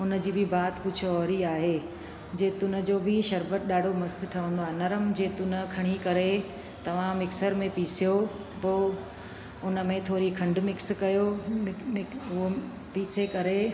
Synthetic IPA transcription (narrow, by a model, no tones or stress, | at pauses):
ʊnə̆d͡ʑiːbɪbaːt̪kʊd͡ʑʰʱɔːɾiaːɦeː | d͡ʑeːt̪ʊnə̆d͡ʑoːbɪʃɐɾbət̪̚ɗaːɖ̤ʱomɐst̪ʈʰɐʋə̃n̆d̪oaːnɐɾəmd͡ʑeːt̪ʊnəkʰɐɽ̃ikɐɾe | t̪ɐʋ̤ãmɪksəɾmẽpiːsijo | poː | ʊnə̆mẽt̪ʰoːɾikʰɐ̃ɳɖmɪkskɐjoɪɪʊɦo | piːsekɐɾe